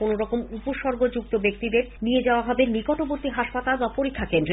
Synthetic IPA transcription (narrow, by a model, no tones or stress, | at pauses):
onoɾɔkomupoʃɔɾɡod͡ʑuk̚t̪obek̚t̪id̪eɾnied͡ʑaoaɦɔbenikɔʈoboɾt̪iɦaʃpat̪albapoɾikʰːakend̪ɾe